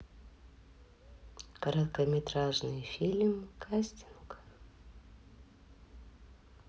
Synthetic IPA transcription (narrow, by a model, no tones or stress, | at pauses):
kəɾɐt̪kəmʲɪt̪ɾaʐnɨjfʲilʲmkʰasʲtʲink